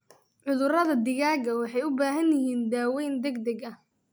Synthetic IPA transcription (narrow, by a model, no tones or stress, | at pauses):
ʕʊðʊrɐðɐd̪ɪɣaːɡɐwɑħɑjʊbaːɦɐnjɪɦiːnd̪aːwɛjnd̪ɛɡd̪ɐɡɐ